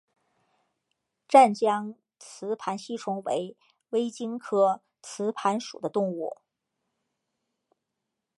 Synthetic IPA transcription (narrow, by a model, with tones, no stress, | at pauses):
ʈ͡ʂa˥˩nt͡ɕjɑ˥ŋ | t͡sʰɹ̩˧˥pʰa˧˥nɕi˥˩ʈ͡ʂʰʊ˧˥ŋwḛ˧˥ɪ | we˥ɪt͡ɕi˥ŋkʰɤ˥ | t͡sʰɹ̩˧˥pʰa˧˥nʂṵ˨˩d̪ə˦t̪ʊ˥˧ŋu˥˩